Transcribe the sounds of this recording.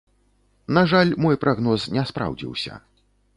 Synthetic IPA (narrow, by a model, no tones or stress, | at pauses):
naʐalʲmɔjpɾʔaɣnɔsnʲɛspɾa̰wd͡zʲḭwsʲɐ̰